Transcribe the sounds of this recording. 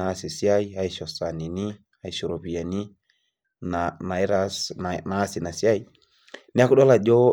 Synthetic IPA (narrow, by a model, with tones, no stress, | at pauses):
aː˨˦si˨si˦a˦i˦a˦i˨ʃɔ˨sa˨ni˨ni˦ | a˦i˨ʃu˨ɾɔ˨pi˨ja˨ni˦ | nana˨i˦ɾasnaː˨˦si˨na˨si˦a˦i˨ | ni˦a˦ku˦ɗɔ˦la˨d͡ʒɔ˦